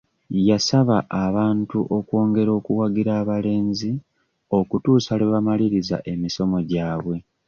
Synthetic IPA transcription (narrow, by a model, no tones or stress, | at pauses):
jasaβaʔaβaːntuʔo̞kwo̞ːŋɡe̞ɾo̞ːkuwaɡiɾaːβale̞ːnzi | o̞kutuːsaleβamaliɾiza̰ʔe̞miso̞mo̞ɟaːβwe̞